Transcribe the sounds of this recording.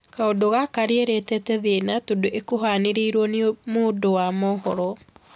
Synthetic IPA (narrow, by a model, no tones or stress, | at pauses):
kaodoɣakaɾeeɾetɛtɛðenatodoʔekoɦaneɾeiɾwɔnemoːdowamɔhɔɾɔ